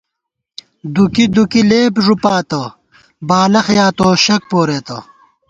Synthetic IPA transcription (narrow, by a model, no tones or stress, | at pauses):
d̪ukid̪ukileːpʐupaːt̪ɐ | baːlɐxjaːt̪oːɕɐk̚poːɾeːt̪ɐ